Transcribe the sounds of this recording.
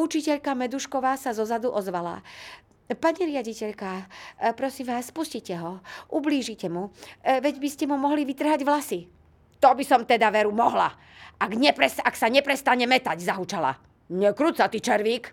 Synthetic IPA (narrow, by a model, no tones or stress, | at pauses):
ut͡ʃicɛʎkamɛd̪uʃkɔʋaːsazɔzad̪uʔɔzʋala̰ | paɲiɾɪaɟicɛʎkapɾɔsimʋaːsːpuscicɛɦɔʔubliːʒicɛmuʋɛɟbiscɛmumɔɦliʋit̪r̩ɦaɟʋlasi | t̪ɔbisɔmt̪ɛd̪aʋɛɾumɔɦla̰ | aɡɲɛpɾɛsaksaɲɛpɾɛst̪aɲɛmɛt̪aɟzaɦut͡ʃala̰ | ɲɛkɾut̪sat̪it͡ʃɛɾʋiːk